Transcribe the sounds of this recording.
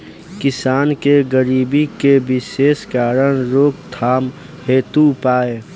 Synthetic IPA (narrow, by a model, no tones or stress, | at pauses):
kɪsaːnkeɡəɾiːbikebɪʃeːskaːɾəɽ̃ɾoːk̚t̪ʰaːm | heːt̪upaːe